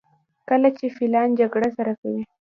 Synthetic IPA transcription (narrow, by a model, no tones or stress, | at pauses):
kəlat͡ʃefilɑnd͡ʒaɡɽasaɾakawi